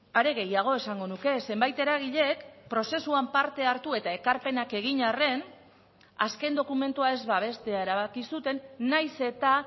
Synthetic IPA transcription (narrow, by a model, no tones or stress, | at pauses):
aɾe̞ɣe̞jaɣ̞o̞e̞saŋɡo̞nuke̞se̞mbajt̪e̞ɾaɣ̞iʎe̞kpɾo̞se̞suampaɾt̪e̞aɾt̪ue̞t̪ae̞kaɾpe̞nake̞ɣ̞iɲare̞n | aske̞nd̪o̞kume̞nt̪uae̞zβaβ̞e̞st̪e̞ae̞ɾaβakisut̪e̞nːajse̞t̪a